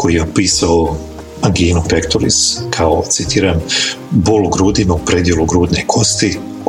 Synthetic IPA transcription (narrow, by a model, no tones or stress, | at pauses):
kʰo̞jijeopiːsao | maŋɡiːnupekt̪oɾḭskʰaot̪sit̪iːɾambolɡɾuːd̪imaupɾed̪je̞lˠuɡɾuːd̪nekʰo̞st̪i